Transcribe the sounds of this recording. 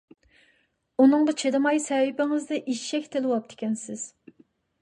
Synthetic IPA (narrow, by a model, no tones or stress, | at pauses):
unɨŋʁɑt͡ʃʰed̪ɨmɑjsɛwɪbɪŋɪzd̪ɛʔiʃʃɛkʲt̪ʰɪlɨwɑp̚d̪ʰɪ̥kʲɛnsɪz̥